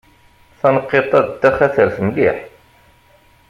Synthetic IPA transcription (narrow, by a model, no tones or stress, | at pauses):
θænəqːet̪ˤæd̪d̪ːæχæθəɾθmliħ